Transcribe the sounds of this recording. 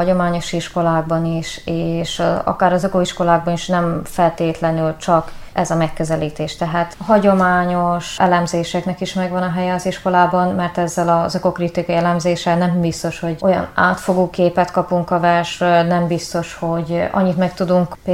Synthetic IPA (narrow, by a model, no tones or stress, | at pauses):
ɒo̞maːɲo̞ʃiʃko̞laːɡ̚bɒniʃeːʃɒ̰kaːɾɒzøkoiʃko̞laːɡ̚bɒniʃnɛmfɛlt̪eːt̪lɛnylt͡ʃɒkʔɛzɒmɛkːøzɛliːt̪eːʃt̪ɛɦaːt̪ɦɒɟo̞maːɲo̞ʃɛlɛmzeːʃɛknɛkiʃmɛɡʋɒnɒɦɛjɛɒziʃko̞laːbɒnmɛrt̪ɛzːɛlɒzøko̞krit̪ikɒjiɛlɛmzeːʃɛnɛmbist̪o̞ʃho̞ɟo̞jɒ̰na̰ːt̪fo̞ɡoːkeːpɛt̪kɒpuŋkɒvɛrʃrønɛmbist̪o̞ʃho̞ɟɒ̰ɲːit̪mɛkt̪ud̪uŋkpː